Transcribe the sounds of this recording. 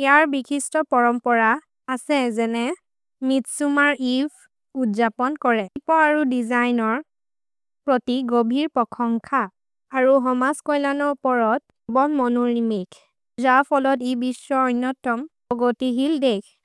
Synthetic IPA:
ijaɹbikʰistɔpɔɹɔmpɔɹa | asɛzɛnɛ | mitsumaɹib | utzapɔnkɔɹɛpɔaɹudizajnɔɹ | pɹɔtiɡobʱiɹpɔkʰɔŋkʰaː | ɹuɦɔmaskɔjlanɔupɔɹɔt̚ | bɔnmɔnuɹimik | zapʰɔlɔtibisːɔɔjnːɔtːɔm | ɔɡotiɦildɛkʰ

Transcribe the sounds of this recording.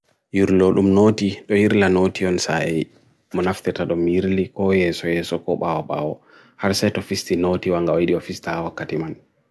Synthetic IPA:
jiɾloɗumnoːtiɗɔjiɾlanotiɔnsaʔɛ | mɔnaft̪ɛtaɗɔmjiɾlikɔjɛsɔjɛːsɔkɔɓawɔɓa̰wɔ | haɾsɛtɔfistinotiwaŋɡawajɗiɔfistaawakːatiman

